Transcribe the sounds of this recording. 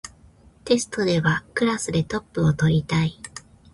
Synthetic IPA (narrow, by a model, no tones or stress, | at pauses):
t̪e̞sɨ̥t̪o̞d̪e̞βakɯ̟ɾasɨd̪e̞t̪o̞pːɯ̟o̞t̪o̞ɾʲit̪ai